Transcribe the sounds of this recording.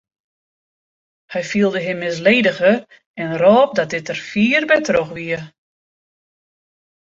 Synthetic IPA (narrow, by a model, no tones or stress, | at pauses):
hɛjfiəlˠdəɦɪmːɪsleːdəɣər | ɛnrɔːp̚dɔt̚dɪtərfiːrbɛtroxʋiə